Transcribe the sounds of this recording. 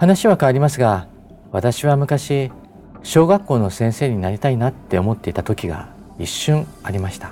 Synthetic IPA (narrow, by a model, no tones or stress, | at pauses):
hanaɕiβakaːɾʲimasɨɡa | βat̪aɕiβamɯ̟kaɕi | ɕo̞ːɡakːo̞ːno̞sẽɰ̃se̞ːɲ̟inaɾʲit̪ainat̪ːe̞o̞mo̞t̪ːe̞it̪at̪o̞kʲiɡa̰ | iɕːɨ̃ɰaɾʲimaɕi̥t̪ḁ